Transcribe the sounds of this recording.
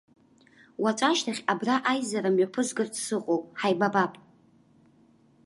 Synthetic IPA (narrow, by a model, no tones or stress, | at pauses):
wat͡ʃʷʼaʃtʰaχʲabraʔajzaɾamɥapʰɨzɡɨrtʰsɨqʼowpʼħajbabapʼ